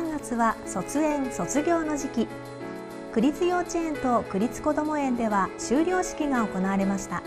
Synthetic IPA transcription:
ãŋɡat͡sɨβaso̞t͡sɨẽ̞ñso̞t͡sɨɡʲo̞ːno̞ʑikʲi | kɯ̟ɾʲit͡sɨjʲo̞ːt͡ɕiẽ̞nt̪o̞kɯ̟ɾʲit͡sɨ̥ko̞d̪o̞mo̞ẽ̞nd̪e̞βaɕɨːɾʲjo̞ːɕi̥kʲiɡao̞ko̞naːɾe̞maɕi̥t̪a

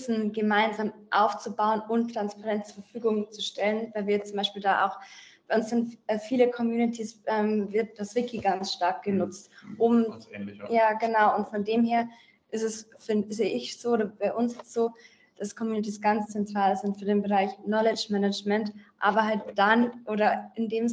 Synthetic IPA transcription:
sn̩ɡəmaɪnzaːmʔaʊft͡subaʊənʔʊmtʁ̥anspaʁɛntt͡suːɐfɐfyːɡʊŋt͡suʃtɛlənvaɪlviːɐt͡sʊmbaɪʃpiːldaːʔa̰ʊxb̥aɪʊnsz̥ɪntɛfiːləkʰɔmjuːnitʰisʔɛːmvɪɐt̚d̥asv̥ɪkʰiɡansʃtaɐk̚ɡ̥ənʊt͡stʔʊm | jaːɡənaʊʔʊntfɔndeːmheːɐ | ʔɪstɛsfɪnzeːʔɪçz̥oːoːɾɐb̥aɪʔʊnsɪsz̥oː | d̥askʰɔmjuːnit̬isɡ̥ant͡st͡sɛntʁ̥aːlzɪntfyːɐdeːnbəʁaɪçnɔlɪt͡ʃmɛnəd͡ʒmɛntʔaːbɐhalt̚d̥anʔoːɾɐɪndeːm

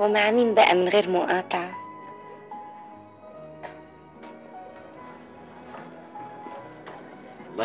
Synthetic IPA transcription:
wmaʕamiːmbaʔa̰mɪnɣeːɾmʊʔɑːt̪ˤɑʕɑ | m

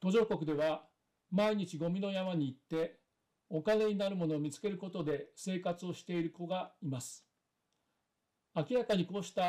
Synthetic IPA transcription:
t̪o̞ʑo̞ːko̞kɯ̟d̪e̞β̞a | maiɲ̟it͡ɕiɡo̞mʲino̞jamaɲ̟iːt̪ːe̞ | o̞kane̞ɲ̟inaɾɯ̟mo̞no̞ːmʲit͡sɨ̥ke̞ɾɯ̟ko̞t̪o̞d̪e̞se̞ːkat͡sɨo̞ɕi̥t̪e̞iɾɯ̟ko̞ɡaimasɨ̥ | akʲiɾakaɲ̟iko̞ːɕi̥t̪a

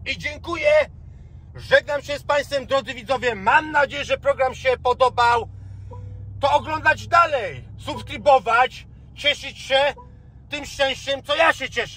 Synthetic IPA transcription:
id͡ʑɛŋkujɛ | ʐɛɡnamɕɛspaj̃st̪fɛmd̪ɾɔd̪zɘvʲid̪zɔvʲjɛmamnad͡ʑejɛʐɛpɾɔɡɾamɕɛpɔd̪ɔbaw | t̪ɔːɡlɔnd̪ad͡ʑd̪alɛjsupskɾibɔvat͡ɕ | t͡ɕɛʂɘt͡ɕɕɛ | t̪ɘmʂt͡ʂɛ̃w̃ɕt͡ɕɛmt̪sɔjaɕɛt͡ɕɛʂɛ

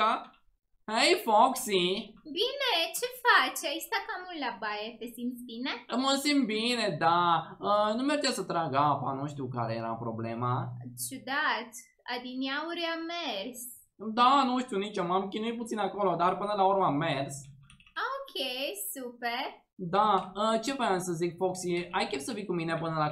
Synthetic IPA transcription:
a | hejfoksibinet͡ʃe̞fat͡ʃaist̪akamullabajet̪esimt̪sbineməsim̚bine̞d̪aənumeɾt͡ʃ̪asət̪ɾaɡapa̰nuʃt̪iuka̰ɾejeɾa̰pɾo̰blemat͡ʃud̪at̪ | a̰d̪iniauɾamers | d̪anuʃt̪iunit͡ʃomamkʲinujt̚put̪sinako̞lo̞d̪arpɨnəlaurməamːers | okʲʰesupeɾ | d̪aət͡ʃe̞fajansəzikfoksiajkʲemsəvikumine̞pɨnəla

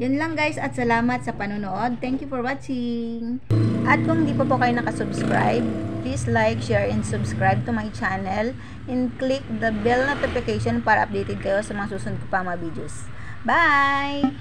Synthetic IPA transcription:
jʊnlɐŋɡajsɐt̪sɐlaːmɐt̪sɐpɐnoːnoʔo̞d̪̚t̪ɛŋkjʊfɔɹwat͡ʃɪŋʔɐt̪̚kʊŋhɪnd̪iːpɐpokɐjonɐkɐsʊbskɹa̰jb̚plislajkʃɛɹɛnsʊbskɹajb̚t̪ʊmajt͡ʃanɛl | ɛnklɪk̚d̪ɐbɪlnot̪ɪfɪkejʃonpaːɾɐʔɐp̚d̪ejt̪ɛd̪̚kɐjo̞sɐmɐŋasuːsʊnd̪̚kopɐŋmɐbid̪jos | baj

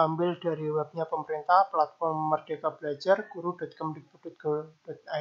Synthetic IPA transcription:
ambɪld̥aɾiwab̚ɲapəməɾint̪ahplat̪̚fɔrmːərd̥ekab̥əlad͡ʒarkuɾud̥ɔt̪̚kəmbɪk̚pud̥ɔt̪̚ɡ̥ɔd̥ɔt̪̚a

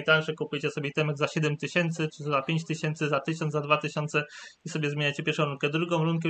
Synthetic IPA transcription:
t̪alʂɛkupujt͡ɕɛsɔbʲɛt̪ɛmɛɡzaɕɛd̪ɛmt̪ɘɕɛnt̪sɘt͡ʂɘzapʲjeɲt͡ɕt̪ɘɕɛnt̪sɘzat̪ɘɕɔ̃nd̪ad̪vat̪ɘɕɔnt̪sɛisɔbʲjɛzmʲeɲajt͡ɕɛpʲjɛɾʂɔ̃w̃ɾuŋkɛd̪ɾuɡɔ̃w̃ɾuŋkɛ

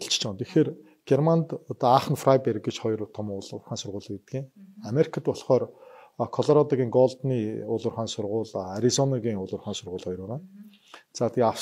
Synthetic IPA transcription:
ɬt͡ɕt͡ɕʰɔnt̪ʰexeːr | ɡ̥ermant̪ɔt̪ɔaχə̆nfrajpeɾ̆kɡet͡ɕχɔjrt̪ʰɔmʊrχaːnsʊrʁʊːɮet̪ɡiːŋameɾi̥kʰə̆t̪pɔɮχɔːr | kʰɔɮɔɾɔt̪aɣʲiːŋɡɔɮt̪niːʊɮʊ̆rχaːnsʊrʁʊːɮaɾizɔnaɣiːŋʊɮʊ̆rχaːnsʊrʁʊːɮχɔjɾʊːʁaːn | t͡saːt̪ia

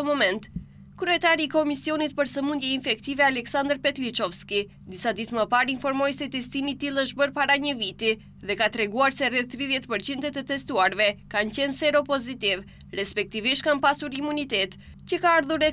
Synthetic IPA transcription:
əmɔmɛnt̪ | kɾyɛt̪aɾiːkɔmisiɔnit̪pəɾsəmund̪jɛinfɛkt̪ivɛalɛksand̪ɾpɛt̪lit͡ʃɔfski | d̪isad̪it̪məpaɾinfɔɾmɔjsɛt̪ɛst̪imit̪ilˠəʃ̬bəɾpaɾaɲəvit̪i | ðɛkat̪ɾɛɡuaɾsɛrɛθt̪ːɾiðjɛt̪pəɾt͡ɕind̪ət̪ət̪ɛst̪uaɾvɛkancɛnsɛɾɔpɔzit̪iv | rɛspɛk̚t̪iviʃt̪̚kanpasuɾimunit̪ɛt̪ | cəkaaɾðuɾɛ

